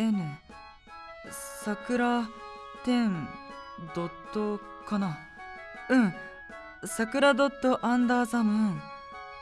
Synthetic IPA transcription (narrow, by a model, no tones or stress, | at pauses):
ene | sakɯ̟ɾat̪ẽ̞n | d̪ot̪ːo | kana | ɯ̟̃ɴ | sakɯ̟ɾad̪ot̪ːoʔãnd̪aːzamɯ̟